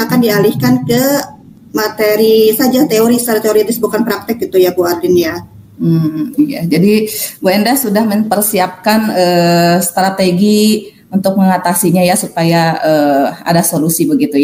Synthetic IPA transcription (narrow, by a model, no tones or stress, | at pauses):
akandialihkankə | mat̪eɾisad͡ʒat̪eoɾisadat̪eoɾit̪ɪsbukanpɾak̚t̪ɪk̚ɡit̪ujabuardɪnja | m̩ija̰d͡ʒadibuɛndahsudahməmpərsiap̚kanəːst̪ɾat̪eɡi | unt̪ʊk̚məŋat̪asiɲajasupajaəːa̰dasolusibəɡit̪uj